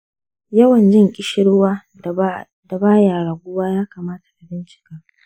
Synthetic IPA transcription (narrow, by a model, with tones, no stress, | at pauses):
jɐ˦wɐ˨nd͡ʒɪ˦ŋkʲʼɪ˨ʃɪ˦ɽwaː˦ | d̥a˨baː˦jaː˨ɽaː˨ɡʷʊ˦waː˦jaː˦kaː˨maː˦tḁ˨ʔa˨bɪ˦nt͡ʃɪ̥˨kaː˦